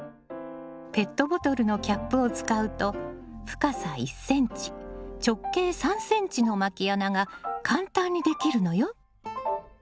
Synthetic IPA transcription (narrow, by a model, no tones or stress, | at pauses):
pe̞t̪ːo̞bo̞t̪o̞ɾɯ̟no̞kʲapːɯ̟o̞t͡sɨ̥kaɯ̟t̪o̞ | ɸɯ̟̥kasaisːẽ̞ɲ̟t͡ɕi̥t͡ɕo̞kːe̞ːsãɰ̃sẽ̞ɲ̟t͡ɕino̞makʲianaɡakʰãnt̪ãɲ̟ːid̪e̞kʲiɾɯ̟no̞jo̞